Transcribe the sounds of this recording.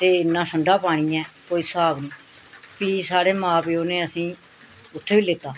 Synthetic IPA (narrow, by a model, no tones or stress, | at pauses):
t̪eːɪnːãːsəɳɖaːpaːɽ̃iːɛ̃ːkoːiːsaːbnĩː | piːsaːɽeːmãːpeːoːneːəsĩː | ʊt̪ʰːeʋiːlɪt̪ːaː